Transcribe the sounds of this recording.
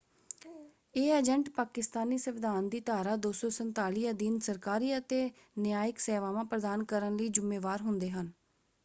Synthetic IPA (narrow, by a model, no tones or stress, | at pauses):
eːəd͡ʒɛɳʈpaːkɪst̪aːniːsəʋɪd̪aːnd̪iːt̪aːɾaːd̪oːsɔːsənt̪aːliːəd̪iːnsəɾkaːɾiːət̪eː | nɪjaːjɪksɛːʋãːʋãːpɾəd̪aːnkəɾənləiːd͡ʒʊmːeːʋaːɾɦʊnd̪eːɦən